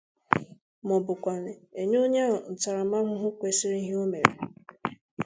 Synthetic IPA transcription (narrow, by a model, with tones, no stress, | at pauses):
mɔ˨bʊ˨kʷa˨nɪ˨e˨ɲo˦ɲe˦ɔ˨n̩˨ta˨ɾa˨ma˦ŋʷʊ˦ɦʊ˦kʷe˨sɪ˦ɾi˦ɦi˦o˦me˨ɾḛ˨